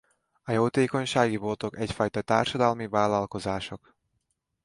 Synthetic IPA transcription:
ɒjoːt̪eːko̞ɲʃaːɡibo̞lt̪o̞kɛcfɒjt̪ɒt̪aːrʃɒd̪ɒlmivaːlɒlko̞zaːʃok

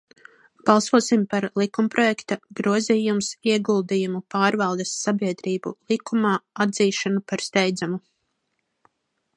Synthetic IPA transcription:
b̥ɑlˠsuɔsimpaɾlˠikumpɾɔjɛkt̪aɡɾuɔzijumsiɛɡulˠd̪ijumupaːɾvɑlˠd̪ɛsːabʲiɛd̪ɾiːbṵlˠikumaːad̪ziːʃanupaɾst̪ɛjd̪zamu

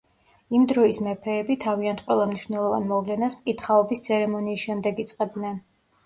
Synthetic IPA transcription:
imd̪ɾɔismɛpʰɛːbit̪ʰaviant̪̚ʰqʼwɛlˠamniʃvnɛlˠɔva̰nmɔvlɛnasmkʼit̪χaɔbist̪sʰɛɾɛmɔniːsʃɛmd̪ɛɡit̪sʼqʼɛb̪nɛn

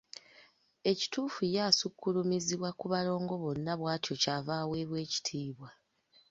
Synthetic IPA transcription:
e̞ci̥tuːfujaːsukːulumiziβwakuβalo̞ːŋɡo̞βo̞nːaβwaːtʰjo̞caːvaːwe̞ːβwe̞ːci̥tʰiːβwa

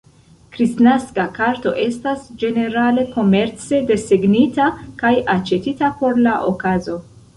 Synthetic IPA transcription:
kɾisnaskakaɾto̞ʔe̞stasd͡ʒe̞ne̞ɾale̞ko̞me̞ɾt͡se̞de̞seɡnitakajat͡ʃe̞titapo̞ɾlaʔo̞kazo̞

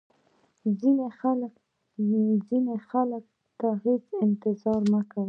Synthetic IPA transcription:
zinexalək | zinexalək̚ | t̪aɦet͡sɪnt̪ɪzɑɾməka

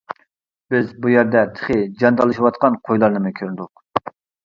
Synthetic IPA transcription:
b̥ɪzbujæɾd̪ɛt̪ʰə̥χɪd͡ʒɑnt̪ʰɑlˠɨʃiwɑt̪qɑnqʰojlˠɑɾnɨmɨkʲʰøɾnd̪ʊq̚

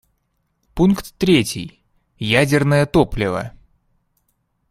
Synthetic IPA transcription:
punkt̪ːɾʲetʲḭj | jædʲɪrnəjət̪oplʲɪvə̰

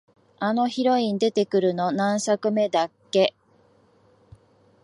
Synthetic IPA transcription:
ano̞çiɾo̞ĩnd̪e̞t̪e̞kɯ̟ɾɯ̟no̞nãɰ̃sakɯ̟me̞d̪akːe̞

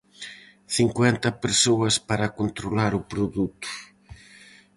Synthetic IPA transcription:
θiŋkwɛnt̪ɐpeɾsoɐspaɾɐkont̪ɾolaɾʊpɾoðut̪ʊ̥

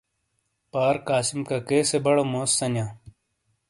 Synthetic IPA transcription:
paːɾkaːsimkakeːsebɐɽomoːsːɐnjãː

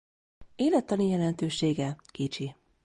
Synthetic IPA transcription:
eːlɛt̪ːɒnijɛlɛnt̪øːʃeːɡɛkit͡ʃi

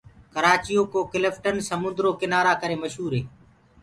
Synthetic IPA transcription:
kəɾaːt͡ʃɪjoːkoːkɪləfʰʈənsəmʊ̃nd̪ɾoːkɪnaːɾaːkəɾeːməʃɦuːɾɦeː

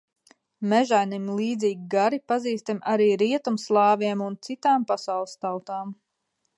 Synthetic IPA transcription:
mɛʒajnimlˠiːd̪ziːɡʲiɡaɾipaziːst̪amʲʔaɾiːɾiɛt̪umslˠɑːviɛmunt̪sit̪aːmpasawlˠst̪awt̪aːm

